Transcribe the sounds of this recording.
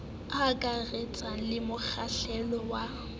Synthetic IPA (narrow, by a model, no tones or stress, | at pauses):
akʼaret͡sʼalɪmʊk͡xʰaɬɛlɔwa